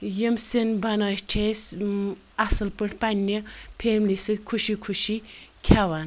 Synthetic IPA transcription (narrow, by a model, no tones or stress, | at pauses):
jimsinbɐnaːʈʰes | ɐsɨlpɨɳʈpɐnːipʰeːmlisɨd̪ʲkʰuʃikʰuʃikʰaʋan